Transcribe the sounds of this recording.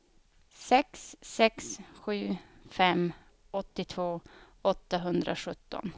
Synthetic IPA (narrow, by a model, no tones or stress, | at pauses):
sɛksːɛksɧʉ̟ːfɛm | ɔt̪ːɪt̪ʰvoː | ɔt̪ːaɦɵnd̪ɾa̰ɧɵt̪ːɔ̰n